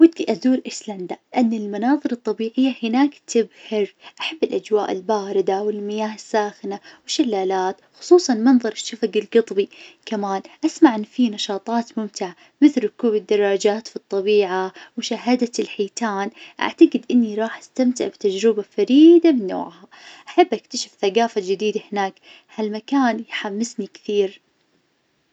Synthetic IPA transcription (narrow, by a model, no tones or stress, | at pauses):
wɪd̪ːiʔad̪uːɾʔɪsland̪alʔanːɪlmanɑːðˤɨɾɨt̪ˤːɑbiːʕɪjːahɪnaːkt̪ʰɪbhɪɾʔaħabːɪlʔad͡ʒwaːʔɪ̰lbaːɾɪd̪awɪlmɪjaːhɪsːaːxɪnawɪʃːalːaːlaːt̪xʊ̥sˤuːsˤɑnmɑnðˤɑɾˤɪʃːafaɡɪlɡɨt̪ˤbikamaːnʔasmaʕʔɪnːfinɑʃɑːt̪ˤɑːt̪mʊmt̪ɪʕa | mɪθlkuːbɪd̪ːɑrˤːɑd͡ʒaːt̪fit̪ˤːɑbiːʕawɪʃaɦad̪alħiːt̪aːnʔa̰ʕt̪aɡɪd̪ʔɪnːiɾˤɑːħʔast̪amt̪ɪ̰ʕbt̪ad͡ʒɾɪbafaɾiːd̪amɪnːo̰ːʕha | ʔaħabːʔak̚t̪aʃafθaɡaːfad͡ʒɪd̪iːd̪ahɪnaːk | halmakaːnjħamːɪsnikθiːɾ